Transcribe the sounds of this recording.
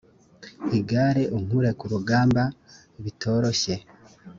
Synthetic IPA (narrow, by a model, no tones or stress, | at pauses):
iɡaɾeʔuŋ̥uɾe̞kuɾuɡaːmba | iβitʰo̞ːɾo̞çe̞